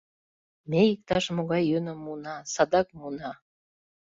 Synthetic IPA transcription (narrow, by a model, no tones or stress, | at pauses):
meik̚t̪ɑʃmoɣɑjːønə̆mːunɑsɑd̪ɑkmunɑ